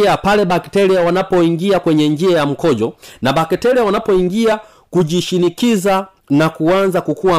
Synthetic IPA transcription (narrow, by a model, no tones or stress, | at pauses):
apalɛɓaktɛɾiawanapɔiŋɡiakwɛɲɛɲd͡ʒiajam̩kɔʄɔnaɓakɛtɛɾiawanapɔiŋɡia | kuʄiʃinikiza | nakuanzakukuwa